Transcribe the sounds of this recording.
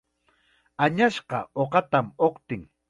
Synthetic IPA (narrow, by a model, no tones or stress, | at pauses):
aɲaʃqɑ̰oqɑt̪amoqt̪ɪŋ